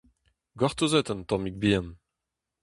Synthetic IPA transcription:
ɡaʁt̪ozɛt̪ənt̪ɔ̃mik̚biɛn

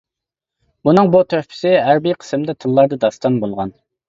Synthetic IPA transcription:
bunɨŋbut̪ʰøhpʰɪ̥sɪæɾbijqʰə̥smd̪ɛt̪ʰɨlˠːɑɾd̪ɨd̪ɑst̪ɑnbolˠʁɑn

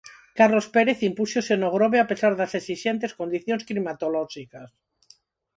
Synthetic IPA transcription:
karlospeɾeθimpusosenoɣ̞ɾoβeape̞saɾðasesiʃent̪e̞skond̪iθjonsklimat̪oloʃikas

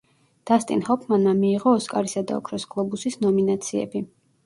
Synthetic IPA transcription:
d̪̥ast̪ʼḭnhɔpʰmanmamiːʁɔːskʼaɾisad̪a̰ɔ̰kʰɾɔsɡ̥lˠɔbusisnɔminat̪sʰiɛ̰bi

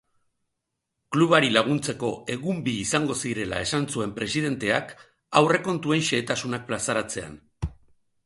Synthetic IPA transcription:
kluβ̞aɾilaɣ̞unt͡se̞ko̞e̞ɣumbiːsaŋɡo̞siɾe̞la̰e̞sansue̞mpɾe̞sið̞e̞nt̪e̞ak | awre̞ko̞nt̪ue̞nʃe̞ːt̪asunak̚plasaɾat͡se̞a̰n

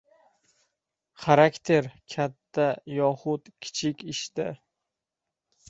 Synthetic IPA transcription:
χaɾakʲt̪ʰe̞ɾkʲʰat̪ʰːajɒhʊt̪kʲʰɪ̥t͡ʃʰɪkʲɪʃt̪ɪ

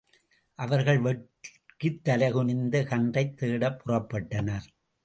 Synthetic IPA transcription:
ʔɐʋɐɾɣɐɭʋɛʈ | kɯt̪ːɐlɐɣɯnɪnd̪ɐkɐɳdɐɪt̪ːeːɽɐpːʊrɐpːɐʈːɐnɐɾ

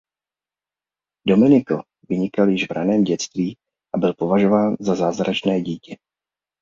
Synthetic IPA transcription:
do̞mɪnɪko | vɪɲɪkaljɪʒvɾanɛːmɟɛt͡st̪viː | ʔabɪlpo̞vaʒo̞vaːnzazaːzɾat͡ʃnɛːɟiːcɛ

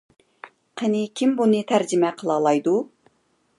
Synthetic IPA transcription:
qʰənɪkʲʰimbunɨt̪ʰæɾd͡ʒɪmɛqʰəlˠɑːlˠɑjd̪u

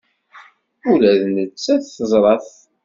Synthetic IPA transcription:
ulæðnət͡sːæθθəzˤɾˤɑθ

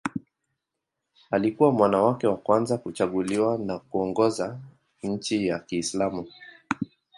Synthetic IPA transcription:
alikuwamwanawakɛwakwanzakut͡ʃaɠuliwanakuɔŋɡɔza | ɲ̩t͡ʃijakiːslamu

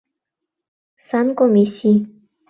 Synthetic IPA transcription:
sankomesi

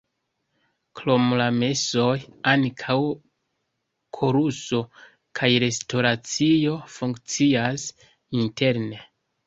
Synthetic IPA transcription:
klomlame̞so̞jankʰaw | kʰoɾuso̞ | kʰajɾe̞stʰo̞ɾat͡sijo̞fuŋkt͡sias | intʰe̞ɾne̞

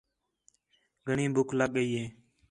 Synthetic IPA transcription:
ɡʱəɳĩːbʊkʰləɠəiːɦeː

